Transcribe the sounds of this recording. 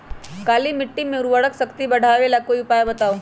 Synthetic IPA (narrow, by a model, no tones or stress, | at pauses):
kaːlimɪʈːimẽʊɾuʋəɽəksɐkt̪ibɐɽ̤ʱaːʋelakoːiʊpaːjabɐt̪aːo